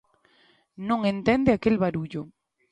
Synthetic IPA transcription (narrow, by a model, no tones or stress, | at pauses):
nõŋẽnt̪end̪eakelβaɾuʎo